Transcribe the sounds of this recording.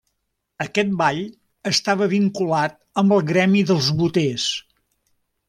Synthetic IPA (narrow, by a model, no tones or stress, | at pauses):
əkɛt̪̚baʎ | əst̪aβəβiŋkulat̪̚ | əmbəlˠɣɾɛmiðəlˠzβut̪es